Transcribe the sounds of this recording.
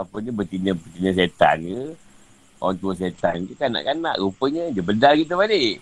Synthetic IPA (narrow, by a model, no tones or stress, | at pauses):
apəɲəbət̪inəbət̪inəs̬et̪a̰nkə | o̰ant̪uəs̬et̪ankəkana̰ʔkana̰ʔɾupəɲəd͡ʒəbədalkit̪əβaleʔ